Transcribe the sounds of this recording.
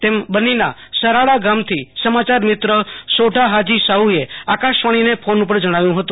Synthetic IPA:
t̪embənina̰səɾaɭaɡamt̪ʰisəmat͡ʃaɾmɪt̪ɾəsoɖʱaɦad͡ʒisaɦueakaʃʋaɽ̃inepʰonupəɾd͡ʒəɽ̃aʋjũɦət̪ũ

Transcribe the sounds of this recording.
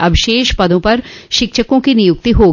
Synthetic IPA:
ɐbʱʃeːʃpɐd̪ʱõpɐɾʃɪkt͡ʃʰəkõkinijʊk̚t̪iɦoː

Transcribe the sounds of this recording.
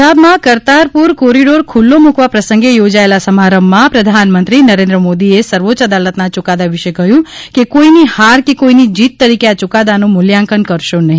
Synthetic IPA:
abmãkəɾt̪aɾpuɾkoɾiɖoɾkʰulːomukʋapɾəsə̃ŋɡejod͡ʒaelasəmaɾəmːãpɾəd̪ʱanmə̃nt̪ɾinəɾẽnd̪ɾəmod̪iesəɾʋot͡ʃəd̪alət̪nat͡ʃʊkad̪aʋɪʃekəɦjũkekoinihaɾkekoinid͡ʒit̪ːəɾikeat͡ʃʊkad̪anũmʊljãŋkənkəɾʃonəɦĩ

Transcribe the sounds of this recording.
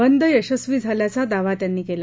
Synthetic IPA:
ənd̪əjəɕəsʋiːd͡zʱaljat͡sad̪aʋat̪janːiːkela

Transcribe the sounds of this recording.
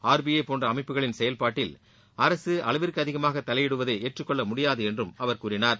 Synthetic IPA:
aːɾbijepoːndrɐːmɐɪpːɯɣɐɭɪnsɛjɐlpaːʈːɪl | ɐɾɐsɯʔɐlɐʋɪɾkɯɐðɪɣɐmaːɣɐt̪ːɐlɐjɛɽɯʋɐðeːeːʈrɯkːɔɭːɐmʊɽɪjaːðɯɛndrɯmɐʋɐɾkuːɾɪnaːɾ

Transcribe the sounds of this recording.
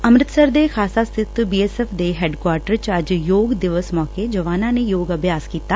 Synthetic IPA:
əmɾɪt̪səɾd̪ekʰaːsast̪ʰɪt̪biːɛːsɛːfʰd̪eɦeːɖkwaːɾʈəɾt͡ʃəd͡ʒjoːɡd̪ɪʋəsmɔːked͡ʒəʋaːnãːnejoːɡəbʱjaːskiːt̪aː

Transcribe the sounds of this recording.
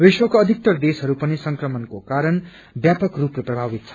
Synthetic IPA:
riswʌkoːd̪ʱik̚t̪ʌrd̪esɦʌɾupʌnisʌŋkrʌmʌnkokaɾʌn | bjapʌkrupreprʌbʱabit̪̚t͡sʰʌ̥

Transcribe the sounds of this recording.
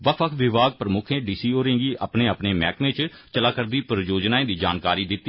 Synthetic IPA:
ʋəkʰəkʰʋɪʋaːɡ̚pɾəmʊkʰẽːɖiːsiːoːɾɪ̃ːɡiːʔapneːəpneːmɛːkmẽːt͡ʃ | t͡ʃəlaːkəɾd̪iːpəɾjoːd͡ʒnaːẽːd̪iːd͡ʒa̰ːnkaːɾiːd̪ɪt̪ːi

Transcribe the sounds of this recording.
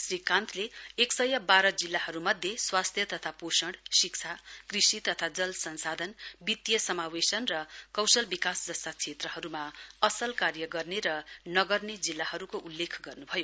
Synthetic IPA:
srikãnt̪ʰleːksʌjʌbaɾʌd͡zilːahʌɾumʌd̪ʱjeswast̪ʰjʌt̪ʌt̪ʰaposʌɳɽsikt͡sʰakrisit̪ʌt̪ʰad͡zʌlsʌnsad̪ʱʌnbit̪jʌsʌmawesʌnrʌkʌwsʌlbikasd͡zʌst̪at͡sʰet̪rʌɦʌɾumaʌsʌlkarjʌɡʌrneɾʌnʌɡʌrned͡zilːaɦʌɾukoʔulːekʰɡʌrnubʱʌjo

